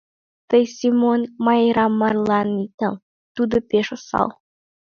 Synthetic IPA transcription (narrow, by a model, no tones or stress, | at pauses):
t̪əjsimonmɑjɾɑmːɑrlˠɑnːitɑl | t̪ud̪ə̆pʲeʃosɑ̰lˠ